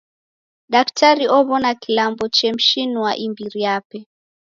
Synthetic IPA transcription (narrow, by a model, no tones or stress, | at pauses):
ɗaktaɾiʔɔβɔnakilambɔt͡ʃɛm̩ʃinuwa̰ʔimbiɾijapɛ